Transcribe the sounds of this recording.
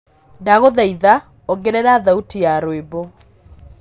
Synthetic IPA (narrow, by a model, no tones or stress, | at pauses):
daɣoðɛiða | oɡeɾɛɾaðautijaɾwebo